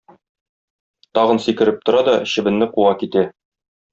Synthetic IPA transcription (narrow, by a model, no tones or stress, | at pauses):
t̪ɒʁɤ̆nsikɘ̆ɾɘp̚t̪ŏɾɑd̪ɒɕɘ̆bɘ̆nːɘquɑkit̪æ